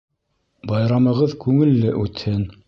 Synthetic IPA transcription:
bɑjɾɑmɤ̆ʁɤðkʉŋɘ̆lːɘʔʉt̪hɘn

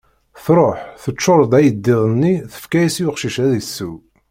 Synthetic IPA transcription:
θɾˤoħθət͡ʃːoɾˤd̪ˤæjəd̪ːɪðənːiθə̥fkæjisjʊqʃiʃæðisːu

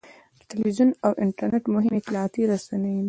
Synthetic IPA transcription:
ʈɪlwizunawʔɪɳʈaɾneʈmʊɦɪmɪt̪lɑɑt̪iɾasanej

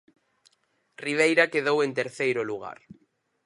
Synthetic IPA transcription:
riβ̞ejɾakeðowent̪eɾθejɾoluɣ̞a̰ɾ

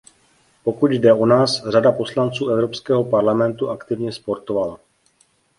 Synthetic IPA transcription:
po̞kut̪jdɛonaːsr̝adapo̞slant͡suːɛvɾo̞pskɛːɦo̞paɾlamɛnt̪uʔakt̪ɪvɲɛspo̞ɾt̪ovala

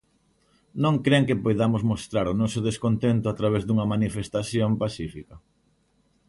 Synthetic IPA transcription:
nõŋkɾeŋkɪpojðamʊzmost̪ɾaɾʊnɔsʊðeskont̪ent̪ʊat̪ɾaβezd̪uŋɐmanifest̪aθjompasifikɐ

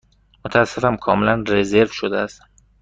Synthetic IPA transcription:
mot̪ʰææsːefæmkʰɒːmelænreze̞ɾvʃod̪eæst̪

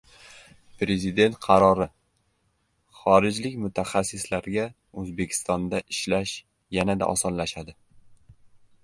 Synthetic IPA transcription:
pɾe̞zɪd̪e̞nt̪̚qʰɑɾɒɾɪ | χɒɾɪd͡ʒlɪkʲmʊt̪ʰaχasːɪslaɾɡʲa | ɵzbe̞kʲʰɪ̥st̪ɒnd̪aʔɪʃlaʃ | janad̪a̰ʔɒ̰sɒnlaʃad̪ɪ

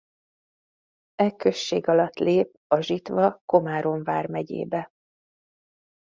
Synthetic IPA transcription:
ɛkø̞ʃːḛːɡɒlɒt̪leːp̚ɒʒit̪ʋɒko̞maːɾo̞ɱvaːrmɛɟḛːbɛ

